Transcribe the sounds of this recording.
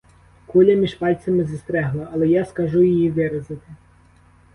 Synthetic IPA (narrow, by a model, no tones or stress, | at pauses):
kulʲɐmʲiʒpɑlʲt̪ʲt͡s̪ʲɐmɪzɐst̪ɾɛɦlˠɐʔːlˠɛjaskɐʒʊjijiʋɪɾɐzɪt̪ɪ